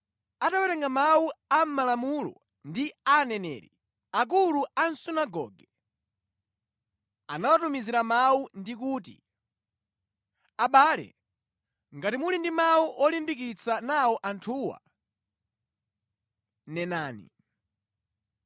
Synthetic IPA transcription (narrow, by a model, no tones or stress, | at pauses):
atawɛɾɛŋɡamawuam̩malamulɔ̰ | ndianɛnɛ̰ːɾḭ | ak̬uluan̩sunaɡɔ̰ɡɛ | anawatumiziɾamawundik̬uːt̬ḭ | aɓaːlɛ̰ | ŋɡatimulindimauʔɔlimbik̬it͡sanawɔʔantʰuwa̰ | nɛnaːnḭ